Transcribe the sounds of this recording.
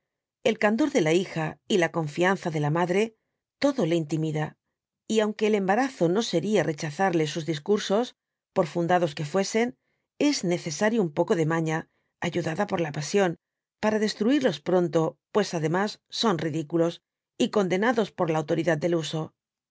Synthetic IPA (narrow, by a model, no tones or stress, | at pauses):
e̞lkand̪oɾðe̞laixailako̞ɱfianθaðe̞lamaðɾe̞ | t̪o̞ðo̞le̞int̪imiða | iawŋke̞ːle̞mbaɾaθo̞no̞se̞ɾiare̞t͡ʃaθaɾle̞suzðiskuɾso̞s | po̞ɾfund̪aðo̞ske̞fwe̞se̞n | e̞zne̞θe̞saɾjoumpo̞ko̞ðe̞maɲa | aʝuðaðapo̞ɾlapasjo̞n | paɾaðe̞st̪ɾuiɾlo̞spɾo̞nt̪o̞pwe̞saðe̞masːo̞nriðikulo̞s | iko̞nd̪e̞naðo̞spo̞ɾlaːwt̪o̞ɾiðad̪d̪e̞luso̞